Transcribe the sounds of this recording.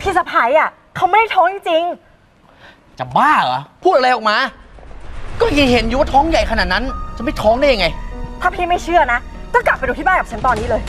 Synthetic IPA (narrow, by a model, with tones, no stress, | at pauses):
pʰiː˥˩sa˧pʰa˨˩˦jʔa˨˩ | kʰa˦˥wma˥˩jda˥˩t̪ʰɔː˦˥ŋt͡ɕi˧ŋt͡ɕi˧ŋ | t͡ɕa˨˩baː˥˩a˨˦pʰuː˥˩t̪̚a˧a˧jʔɔː˨˩k̚maː˧ | kɔː˥˩ki˧˩ɦe˨˦njuː˨˩˦wa˥˩t̪ʰɔː˦˥ŋja˨˩jkʰa˧naː˨˩t̪̚na˦˥nt͡ɕa˨˩ma˥˩t̪ʰɔː˦˥ŋda˥˩ja˧ŋa˧jt̪ʰaː˥˩pʰliː˥˩ma˥˩jt͡ɕʰɯ˥˩ɐna˦˥kɔː˥˩kla˨˩pa˧jduː˧t̪ʰi˥˩baː˥˩ka˨˩t͡ɕʰa˦˥nt̪ɔː˧nːiː˦˥lɤː˧j